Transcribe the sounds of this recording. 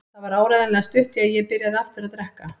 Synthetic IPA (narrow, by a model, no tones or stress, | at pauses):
θaðvaɾaːwɾajðalɛɣast̪ʏht̪ɪaðjɛpɪɾjaðɪaft̪ʏɾaðt̪ɾɛhka